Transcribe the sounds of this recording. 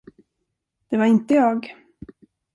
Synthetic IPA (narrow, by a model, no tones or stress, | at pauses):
d̪̥ɛvaɾɪnt̪əjɑːɡ